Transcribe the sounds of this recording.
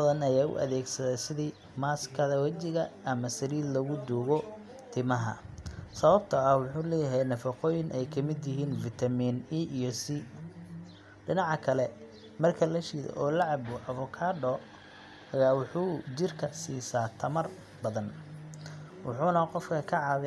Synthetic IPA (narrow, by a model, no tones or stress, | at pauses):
bɐðɐnɐjaːʊ̰ʔɐ̰ðɛːɡsɐðɛjsɪðiː | maːskʰɐðɐwɐt͡ʃɪɣɐːmɐsɐɾiːd̪lɐɣʊd̪uːɣɔ | t̪ʰɪmɐɦɐ̰sɐβɐb̚t̪ʰɐːhwʊħuːlɛːjɐɦɛjnɐfɑqɔːjɪnʔɛjkʰɐmɪd̪jɪɦiːnfɪt̪ʰɐmiːniʔijɔsi | ɖɪnɑʕɑkʰɐlɛ | mɐrkʰɐlɐʃiːðɛ̰ʔɔːlɑʕɑbʊʔɐβɔkʰaːɖɔː | hɐjaːwʊħuːd͡ʒɪrkʰɐsiːsaːt̪ʰɐmɐr | bɐðɐn | wʊħuːnɐqɔfkʰɐkʰɐʕɑβɛ